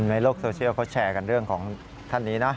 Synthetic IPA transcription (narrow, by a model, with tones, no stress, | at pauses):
nna˧jloː˥˩k̚soː˧t͡ɕʰi˥əwkʰɔ˦˥˩t͡ɕʰɛː˧ka˧nɾɯ˥˩əŋkʰɔː˩˦ŋ | t̪ʰa˥˩nːiː˦˥na˦˥